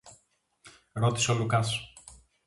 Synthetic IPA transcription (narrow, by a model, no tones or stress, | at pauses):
ɾo̞t̪i̥solukɐs